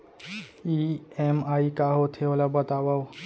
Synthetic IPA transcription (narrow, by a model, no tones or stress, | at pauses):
iemaikaɦot̪ʰeolabət̪abaw